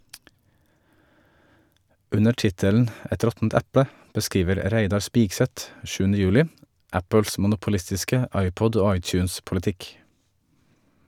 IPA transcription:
ˈʉnə ˈʈɪtəln̩ ˈɛt ˈɾɔtn̩t ˈɛpə bəˈskiːʋəɾ ˈɾæɪdɑɾ ˈspiːɡˌsɛt ˈʃʉːnə ˈjʉːlɪ ˈæpəls mʊnʊpʊˈlɪstɪskə ˈɑɪˌpɔd ˈoː ˈɑɪˌt͡ʃʉːnspʊləˌtɪk

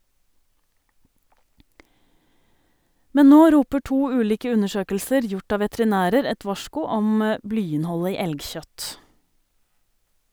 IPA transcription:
ˈmɛn ˈnoː ˈɾuːpə ˈʈuː ˈʉːliːkə ˈʉnəˌʃøːkəlsəɾ ˈjʊʈ ˈɑː ʋɛtɾɪˈnæːɾəɾ ˈɛt ˈʋɑʃkʊ ˈɔm ə ˈblyːɪnˌhɔlə ˈiː ˈɛlɡˌçœt

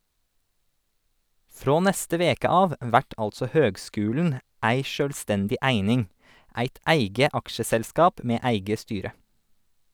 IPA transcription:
ˈfɾoː ˈnɛstə ˈʋeːkə ˈɑːʋ ˈʋæʈ ˈɑltsɔ ˈhøːɡˌskʉːln̩ ˈæɪ ˈʃøːlˌstɛndɪ ˈæɪnɪŋ ˈæɪt ˈæɪɡə ˈɑkʃəsɛlˌskɑːp ˈmeː ˈæɪɡə ˈstyːɾə

